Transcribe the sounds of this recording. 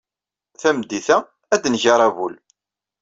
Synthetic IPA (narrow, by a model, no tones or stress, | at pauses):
θæmd̪ːiθæ | æd̪nʝɑɾˤævul